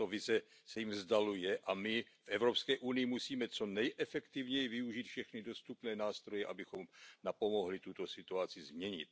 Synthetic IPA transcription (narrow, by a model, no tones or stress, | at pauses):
t̪ovɪzɛ | sɛjimzdalujɛʔamɪfʔɛvɾo̞pskɛːʔunɪjɪmusiːmɛt͡so̞nɛjʔɛfɛkt̪ivɲɛjɪvɪuʒiːt̪fʃɛxnɪdo̞st̪upnɛːnaːst̪ɾo̞jɛʔabɪxo̞mnapo̞mo̞ɦlɪt̪ut̪o̞sɪt̪uat͡sɪzmɲɛɲɪ̰t̪̚